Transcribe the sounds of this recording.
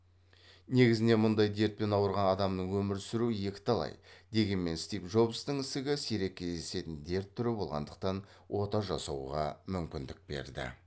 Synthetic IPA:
ne̞ɡʲɪzɪne̞mʊnd̪ɑjd̪e̞ɾt̪̚pe̞nɑwəɾʁɑnɑd̪ɑmnəɴwɵmɪɾsɪɾuje̞kʲɪ̥t̪ʰɑlˠɑ̰jd̪e̞ɡʲe̞nme̞nst̪ijpʒo̞bst̪əɴɪsɪɡʲɪseɾe̞kʲʰːe̞zd̪ese̞t̪ɪnd̪e̞ɾt̪ʰːʏɾɪbo̞lˠʁɑ̰nd̪əq̚t̪ɑn | wʔo̞t̪ɑʒɑsɑwʁɑ̰mʏmkʲɪnd̪ɪk̚be̞̰ɾd̪ɪ̰

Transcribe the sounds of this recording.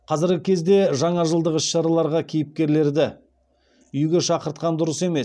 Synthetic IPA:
qʰɑzɪɾɡʲɪkʲʰe̞zd̪e̞ʒɑɴɑʒəlˠd̪əqɪʃʃɑɾɑlˠɑɾʁɑkʲʰijɪp̚kʲe̞ɾle̞ɾd̪ɪ | ʏjɡʲe̞ʃɑqəɾt̪qɑnd̪ʊɾəse̞me̞s

